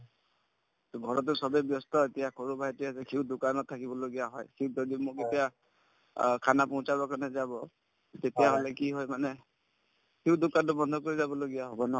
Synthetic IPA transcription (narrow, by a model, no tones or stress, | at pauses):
tɔɡʱɔɹɔt̬ʊsɔbɛbjɔstɔetijakʰoɹubʱajtiasɛkʰiwdʊkanɔttʰakibɔloɡijaɦɔjkʰizɔdimʊketija | kʰanapɔʊ̃sabakanɛzabɔ | tetijaɦolɛkiɦɔjmanɛ | kʰiwdʊkantʊbɔndʱɔkoɹizabɔloɡijaɦɔbɔnɔ